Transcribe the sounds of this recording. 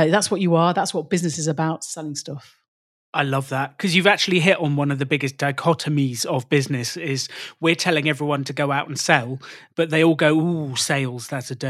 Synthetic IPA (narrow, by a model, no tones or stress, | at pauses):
ðatswɒt͡ʃəəðatswɒt̚b̥ɪznɪsɪzəbaʊtsɛlɪ̃ŋstʌf | aɪlʌvðət̚kʰɒzjɨvak̚t͡ʃʉəlˠiɦɪtn̩wʌ̃nəvðəbɪɡɪsd̥aɪkʰɒtʰəmizəvbɪznɪsɪzwɪətʰɛlɪ̃ŋɛvɹiwʌ̃ntʰəɡəʊaʊtn̩sɛlˠb̥ʌʔ̪̚ðeɪɔːlˠɡəʊuseɪlˠz̥ðatsəd